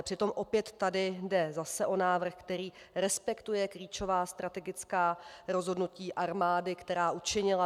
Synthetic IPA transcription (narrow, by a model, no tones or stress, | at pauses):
pr̥ɪt̪o̞mʔo̞pjɛt̪ːadɪdɛzasɛʔo̞naːvr̩xkt̪ɛɾiː | ɾɛspɛkt̪ujɛkɾiːt͡ʃo̞vaːst̪ɾat̪ɛɡɪt͡skaːɾo̞zɦo̞dnuciːʔaɾmaːdɪkt̪ɛɾaːʔut͡ʃɪɲɪla